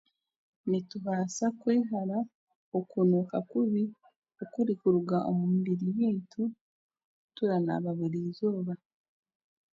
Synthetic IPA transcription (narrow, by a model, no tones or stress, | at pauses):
nituɦaːsakweːɦaɾa | okunukakuβi | okuɾikuɾuɡaʔo̰mumbiɾiβiːntʰu | tuɾana̰βaβiɾizo̞ːβa